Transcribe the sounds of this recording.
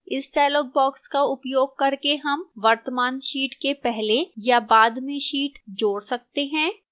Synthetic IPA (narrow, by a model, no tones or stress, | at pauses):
ɪsɖaːɪlɔːɡ̚bɔːkskaʊpjoːɡ̚kɐɾkeɦɐmʋɐɾt̪əmaːnʃiːʈkepɛɦlejabaːd̪mẽʃiːʈd͡ʒoːɽsɐk̚t̪eɦɛ̃ː